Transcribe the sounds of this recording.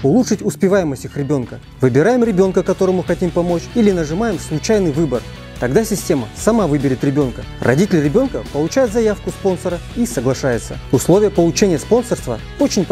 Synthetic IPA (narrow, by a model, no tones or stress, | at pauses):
ʊlˠuʂɨtʲʊspʲɪvajɪməsʲtʲɨxrʲɪbʲo̞nkə | vɨbʲɪɾajɪmɾʲɪbʲo̞nkəkɐt̪o̞ɾəmʊxɐtʲimpɐmo̞t͡ɕilʲɪnəʐɨmajɪmslˠʊt͡ɕajnɨjvɨbər | t̪ɐɡd̪asʲɪsʲtʲe̞məsɐmavɨbʲɪɾʲɪt̪ɾʲɪbʲo̞nkə | rɐ̰dʲitʲɪlʲrʲɪbʲo̞nkəpəlˠʊt͡ɕajɪt̪zɐjafkʊspo̞nsəɾəisəɡlˠɐʂajɪt̪sə̰ʊslˠo̞vʲɪjəpəlˠʊt͡ɕenʲɪjəspo̞nsərst̪və̰ | o̞t͡ɕɪnʲ